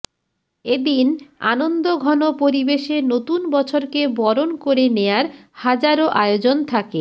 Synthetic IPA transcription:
ed̪ina̰nond̪oɡʱɔnopoɾibeʃenot̪unbɔt͡ɕʰoɾkebɔɾonkoɾeneaɾhad͡ʑaɾoʔaeod͡ʑont̪ʰake

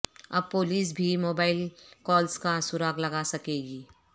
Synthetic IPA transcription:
ɐ̰b̚poːliːs̬bʱimoːbaːɪlkɔːlskasʊɾaːɡlɐɡasɐkeːɡiː

